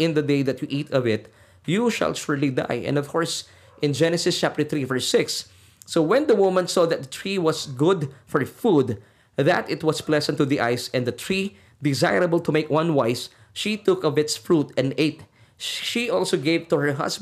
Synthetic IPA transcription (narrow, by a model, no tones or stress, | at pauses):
ɪ̃nd̪əd̪eɪðɨt̪juʔit̪ʰʌvɪt̪ | juʃa̰lʃʊɹlid̪a̰jɛ̰̃nɔv̥kʰɔɹs | ʔɪ̃nd͡ʒɛnɨsɪst͡ʃæp̚t̪ə˞θɹivə˞sɪksː | owɛ̃nd̪əwʊmə̃nsɔðɨt̪̚d̪ət̪ʰɹiwʌsɡʊd̪fɔɹfud̪ | ðæt̪ɪt̪̚wʌsplɛsɛ̃nt̪ːuðiʔa̰ɪsɛ̃ndɨt̪ʰɹi | d̪ɪzaɪɹəbəlt̪umeɪkwʌ̃nwaɪs | ʃit̪ʊkʌvɪt̪sfɹut̪ɛ̃neɪt̪̚ | ʃiʔɔlˠsoɡeɪvt̪uhə˞ɦʌ̰sb